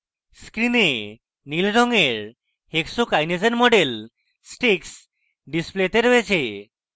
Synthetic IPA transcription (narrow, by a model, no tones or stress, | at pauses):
skɾine | nilɾɔŋeɾ | heksokajnizenmɔɖel | sʈiks | ɖisplet̪eɾɦoet͡ɕʰe